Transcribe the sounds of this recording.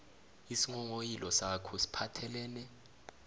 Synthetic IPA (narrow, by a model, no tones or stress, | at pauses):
isiŋɔŋojilɔsakʰɔsi̥pʰatʰɛlɛːnɛ